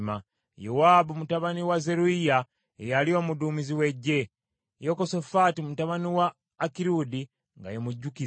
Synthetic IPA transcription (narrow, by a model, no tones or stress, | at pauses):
ma | jowaːbumutaβaniwaze̞ɾuija | ḛjalio̞muduːmiziwe̞ɟːe̞ | jokoso̞fatimutaβaniwaː | kiɾudi | ŋɡa̰jemuɟːuki